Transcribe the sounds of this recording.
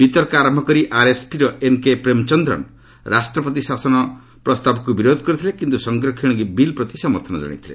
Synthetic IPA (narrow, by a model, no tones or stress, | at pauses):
b̥it̪ɔɾkaɾɔmbʱɔkɔɾiʔaɾesʈiɾɔenkepɾemt͡ʃɔnd̪ɾɔ̰ñ | ɾʔasʈɾɔpɔt̪isasɔnɔ | pɾɔst̪abɔkubiɾod̪ʱɔkɔɾit̪ʰilekint̪usɔŋɡɾɔkʰiɽ̃ɔɡibilpɾɔt̪isɔmɔɾt̪ʰɔnɔ̰d͡ʒa̰ɽ̃ḭt̪ʰilḛ